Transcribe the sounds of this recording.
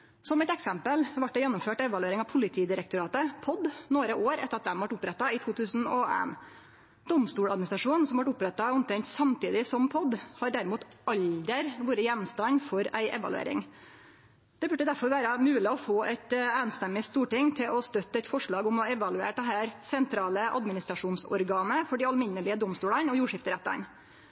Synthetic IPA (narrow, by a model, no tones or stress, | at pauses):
sɔmɛt̪ɛksɛmpəlʋɑʈ̪ːɛjɛnːʊmføːʈɛʋɑlʉeːɾɪŋɑʋpʰʊlɪt̪ʰiːd̪ɪɾɛkt̪ʊɾɑːt̪əpʰɔd̪noːɾəʔoːɾɛt̪ːəɾɑt̪̚d̪ɛmʋɑʈʊpɾɛt̪ːɑɪt̪ʰuːt̪ʰʉːsn̩ɔḛːn | d̪̥ɔmst̪uːɽɑd̪mɪnɪsɾɑʂuːnn̩sɔmʋɑʈʊpɾɛt̪ːɑʊnt̪ɾɛɲt̪sɑmt̪iːd̪ɪsɔmpʰɔd̪hɑɖæɾɪmuːt̪ɑld̪əɾʋuːɾəjɛnmst̪ɑnfɔɾæ̰ɪʔɛ̰ʋɑ̰lʉ̰ḛːɾɪ̰ŋ | d̪̥ɛbʉɖːəd̪æɾfɔɾʋæːɾəmʉːlɪɔfoːʔæɪt̪æːnst̪ɛmːɪst̪uːʈɪŋt̪ʰɪlʔɔst̪œt̪ːəɛt̪fɔʂɭɑːɡʊmɔɛʋɑlʉḛːʈ̚d̪ɛɦæːɾsɛnt̪ʰɾɑːləʔɑ̰d̪mɪnɪst̪ɾɑʂuːnsɔ̰ɾɡɑːnəfɔɖɪɑlmɪnːəɭɪəd̪ɔmst̪uːɽɑnɔjuːʂɪft̪əɾɛt̪ːɑ̰n